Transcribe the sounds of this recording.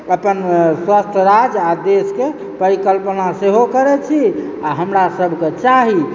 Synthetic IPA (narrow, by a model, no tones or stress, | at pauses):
əpənswast̪ʰəɾad͡ʒad̪eske | pəɾikəlpənaseɦokəɾɛt͡ʃʰi | aɦəmɾasəbʱket͡ʃaɦi